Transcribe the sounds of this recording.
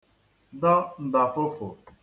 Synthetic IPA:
dɔ˦n̩˨da˨fʊ˦fʊ̰˨

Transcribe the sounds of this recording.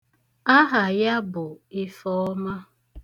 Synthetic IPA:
a˦ɦa˨ja˦bʊ˨ɪ˦fɔ˦ma˦

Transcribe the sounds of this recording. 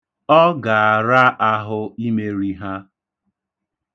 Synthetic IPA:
ɔ˦ɡa˨a˨ɾa˦ʔa˦ɦʊ˦i˦me˦ɾi˦ɦa˦

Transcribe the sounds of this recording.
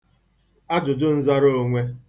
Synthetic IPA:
a˦d͡ʒʊ˨dʊ˦n̩˦za˦ɾo˦o˦˨ŋʷe˦

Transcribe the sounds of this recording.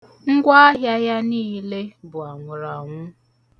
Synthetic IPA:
ŋ̩˦ɡʷa˦a˦ɦja˦ja˦niː˦le˦bʊ˨a˨ŋʷʊ˨ɾa˨ŋʷʊ˦

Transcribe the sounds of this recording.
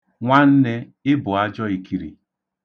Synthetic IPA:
ŋʷa˦n̩˦ne˦ | ɪ˦bʊ˨a˦d͡ʒɔ˦i˨ki˨ɾḭ˨

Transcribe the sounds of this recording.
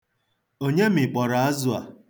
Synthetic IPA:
o˦ɲe˦m̩ɪ˨k͡pɔ˨ɾa˨a˦zʊ˨a̰˨

